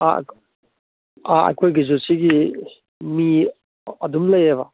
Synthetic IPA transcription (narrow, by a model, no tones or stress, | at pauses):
a̰k | aɐ̰jkʰojɡizosiɡi | mi | ɐdumlɐjeβa